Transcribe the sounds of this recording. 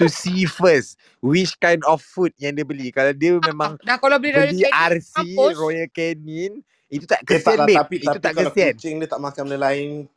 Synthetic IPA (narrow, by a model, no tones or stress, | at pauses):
t̪usifəs | wit͡ʃkãjndɔfːut̪̚jaŋdebəlikalawdiəmẽmãŋdakolabəliəliarsirɔjəlkɛnĩn | it̪ut̪aʔkəsɛbeaiit̪ut̪akə̃siɛnt͡ʃɛŋdiət̪aʔmãkamdəlaɪn